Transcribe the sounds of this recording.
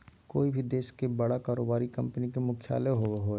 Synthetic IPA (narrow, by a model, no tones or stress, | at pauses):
ko̰ːibʱid̪eːʃkebɐɽakaːɾoːbaːɾikɐ̃mpənikemʊkʰja̰ːleɦoːʋeɦo